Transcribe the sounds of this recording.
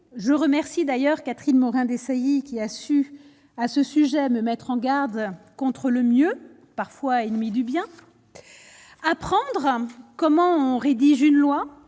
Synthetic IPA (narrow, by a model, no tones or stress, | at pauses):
ʒəʁəmɛʁsid̪ajœʁkat̪χinmɔʁɛ̃d̪esajikʲiasy | asəsyʒɛməmɛt̪χɑ̃ɡaʁd̪kɔ̃t̪χələmjø | paʁfwaenmid̪ybjɛ̃ | apχɑ̃d̪ʁkɔmɑ̃ɔ̃ʁed̪iʒynlwa